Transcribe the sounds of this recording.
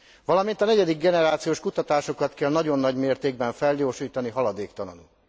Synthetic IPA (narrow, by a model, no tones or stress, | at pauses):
vɒlɒmint̪ɒnɛɟɛd̪iɡ̚ɡɛnɛɾaːt̪sijoːʃkut̪ɒt̪aːʃo̞kɒt̪kɛlnɒɟo̞nːɒɟmeːrt̪eːɡbɛɱfɛlɟoːʃiːt̪ɒniɦɒlɒd̪eːkt̪ɒnɒnu